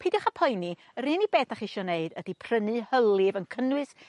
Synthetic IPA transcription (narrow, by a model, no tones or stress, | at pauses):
pʰedɔχapʰɔjni | əɾɨnibeːθaχiʃɔneɨdəd̥ipʰrənɨhəlˠɨvənkʰənwɨs